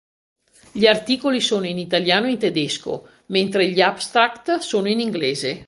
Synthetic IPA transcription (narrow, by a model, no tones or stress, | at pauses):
ʎiart̪iːkolisoːnoinit̪aljaːnoint̪ed̪esko̰ | ment̪ɾeʎiabst̪ɾakt̪soːnoiniŋɡleːze